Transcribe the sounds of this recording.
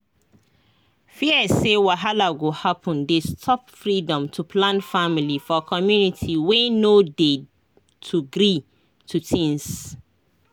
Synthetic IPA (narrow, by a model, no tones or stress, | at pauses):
fiəsewaɦalaɡohapʰɔ̃ndestʰɔpfɹidɔ̃mtʰupʰlãnfamilifɔkʰɔmjunitʰiwenode | tʰuɡɾi | tʰutʰĩŋs